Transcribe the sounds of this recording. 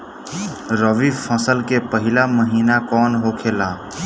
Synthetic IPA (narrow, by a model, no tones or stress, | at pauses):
ɾəʋifʰəsəlkepəɦɪlaməɦiːnakɔːnɦokʰeːlaː